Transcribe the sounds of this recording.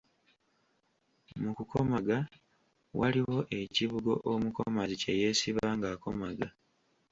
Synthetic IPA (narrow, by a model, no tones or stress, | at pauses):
mukukʰo̞maɡa | waliwo̞ʔe̞ciβuɡo̞ʔomuko̞̰maziceje̞ːsiβaŋɡaːko̞̰maɡa